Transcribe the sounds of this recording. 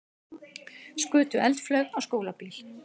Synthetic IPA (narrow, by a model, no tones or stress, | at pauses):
skʏːt̪ʏʔɛlt̪flœɥɣawskoːwlapiːl